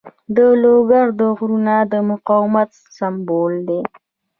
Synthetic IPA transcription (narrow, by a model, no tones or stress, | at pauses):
d̪əloɡaɾd̪əɣɾunad̪əmʊqɑwmat̪ | sambold̪e